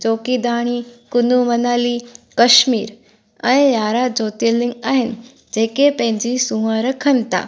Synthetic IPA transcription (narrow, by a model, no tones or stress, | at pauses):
t͡ɕoːkid̪aːɽ̃ikʊnumɐnaːlikɐʃmiːɾ | ɛ̃ɪ̃jaːɾad͡ʑoːt̪iəlɪŋɡaːɦɪnɪ | d͡ʑeːkepɐ̃ɦɪ̃ɲd͡ʑisũʋãɾəkʰənt̪a̰ː